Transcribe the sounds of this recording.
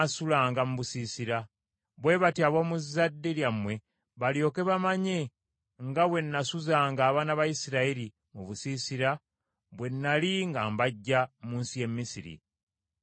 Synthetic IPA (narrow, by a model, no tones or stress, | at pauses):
sulaːŋɡamuβusiːsiɾa | βwe̞βatiaβwomuzːadːeljamwe̞ | βaljo̞ːke̞βamaɲe̞ | ŋɡaβwe̞nːasuzaːŋɡaːβaːnaβajisiɾaiɾi | muβusisiɾa | βwe̞nːaliŋɡambaɟːamuːnsije̞mːisiɾḭ